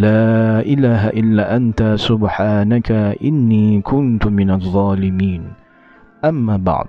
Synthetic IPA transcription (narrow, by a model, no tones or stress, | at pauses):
laːʔɪlaːɦaʔɪlːaːʔant̪asʊbħaːnakaʔɪnːiːkʰʊnt̪ʊmɪnaðˤːɑːlɪmiːn | ʔamːaːbɑ̰ʕd̪ˤ